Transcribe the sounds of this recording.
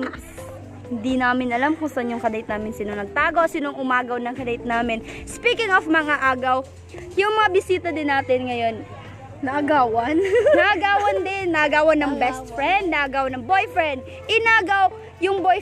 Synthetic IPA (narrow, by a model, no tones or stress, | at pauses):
hɪnd̪inaːmɪnɐlamkʊŋsɐʔɐnjʊŋkɐd̪ɐɪt̪naːmɪnsiːnoŋnɐɡ̚t̪aːɡosinoŋʔʊmaːɡɐwnɐŋkɐd̪ɐɪt̪̚naːmɪnspiːkɪŋofmɐŋaʔaːɡɐw | jʊŋmɐŋabɪsiːt̪ɐd̪ɪnːaːt̪ɪnŋɐjo̞nː | ɐʔɐɡaːwɐnnɐʔɐɡaːwɐnd̪ɪnːɐʔɐɡaːwɐnːɐŋbɛst̪̚fɹɛnd̪̚nɐʔɐɡaːwnɐŋbo̞jfɹɛnd̪̚ | ʔɪnaːɡɐw | jʊŋboj